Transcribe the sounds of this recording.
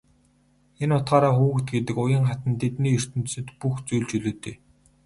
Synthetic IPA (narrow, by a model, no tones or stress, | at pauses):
enʊt̪ɢaːɾaːxuːɘ̆kt̪ɡet̪ɘ̆kʊjə̆ŋχat̪ə̆nt̪ʰet̪niːɵr̥t̪ɵ̆nt̪̆sɘ̆t̪puxt͡sujɮt͡ɕɵɮoːt̪eː